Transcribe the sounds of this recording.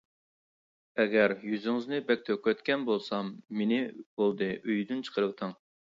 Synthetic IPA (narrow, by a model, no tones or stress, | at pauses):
ɛɡʲɛɾjyzyŋɨznɨbɛk̚ʲt̪ʰøkʲɛt̪kʲɛnbolˠsɑmːenɪb̥olˠd̪ɨʔøjd̪ynt͡ʃʰə̥qʰəɾət̪ʰɨŋ